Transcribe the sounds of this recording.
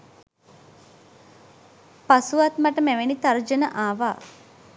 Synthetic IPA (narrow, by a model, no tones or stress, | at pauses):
pasuʋat̪maʈəmæʋenit̪aɾd͡ʒənəʔaːʋaː